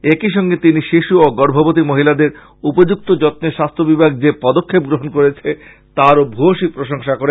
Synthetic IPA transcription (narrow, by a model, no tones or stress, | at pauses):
ekiʃɔŋɡet̪iniʃiʃuoɡɔɾbʱobot̪̬imoɦilad̪eɾ | upod͡ʑuk̚t̪od͡ʑɔt̪̚neʃast̪ʰobibʱaɡ̚d͡ʑepɔd̪okʰːep̚ɡɾoɦonkoɾet͡ɕʰe | t̪aɾobʱuoʃipɾoʃoŋʃakoɾe